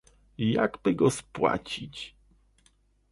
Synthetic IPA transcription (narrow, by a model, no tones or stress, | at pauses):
ja̰ɡbɘɡɔspwa̰t͡ɕit͡ɕ